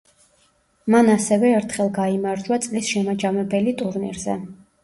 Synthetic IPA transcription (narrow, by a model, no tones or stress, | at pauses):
manasɛvɛːɾt̪ʰχɛlˠɡaimaɾd͡ʒwat̪sʼlisʃɛmad͡ʒamɛbɛlit̪ʼuɾnḭɾzɛ̰